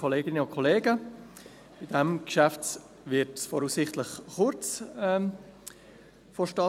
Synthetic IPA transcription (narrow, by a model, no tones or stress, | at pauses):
kʰɔleːɡɪnəʊnkʰɔleːɡə | b̥ɪd̥ɛmkʃaft͡s | vɪtsfɔɾhuːsɪχtlɪχχʊɾt͡sɛ | fɔʃtɑ